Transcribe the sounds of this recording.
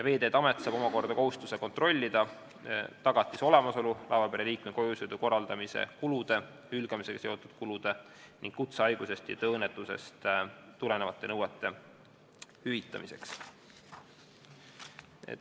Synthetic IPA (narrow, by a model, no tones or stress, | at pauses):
jɑve̞ːd̪eːt̪ːɑmet̪ːˑsɑːbomɑko̞rd̪ɑko̞ɦust̪use̞ko̞nt̪ro̞lʲːid̪̥ɑ | t̪ɑɡ̥ɑt̪ːˑiso̞le̞mɑso̞lulɑvɑpeɾeliːk̚meko̞jusjud̪̥uko̞rːɑld̪̥ɑmisḛkulud̪̥e̞ | hylɡ̥ɑmise̞kɑ̥se̞ot̪ːˑud̪̥kulud̪̥e̞ | niŋɡ̥kut̪seɑjɡ̥use̞st̪jɑ̰t̪ɤːnːet̪ːˑuse̞̰st̪t̪ːule̞nevɑt̪ːˑe̞nɤwet̪ːˑe̞ | hyvit̪ːˑɑ̰mise̞̰ks